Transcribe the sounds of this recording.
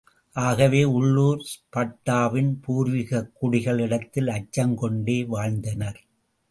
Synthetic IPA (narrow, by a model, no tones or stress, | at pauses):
ʔaːɣɐʋeːʊɭːuːɾspɐʈːaːʋɪnpuːɾʋɪɣɐkːʊɽɪɣɐɭɪɽɐt̪ːɪlɐt͡ʃːɐŋkɔɳɖeːʋaːɻnd̪ɐnɐɾ